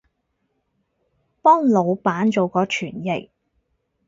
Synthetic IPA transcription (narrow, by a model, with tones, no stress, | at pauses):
pɔː˥ŋlo˨˧wpaː˨˥nt͡ʃo˨wkɔː˧t͡ʃʰyː˨˩njɪ˨˩k̚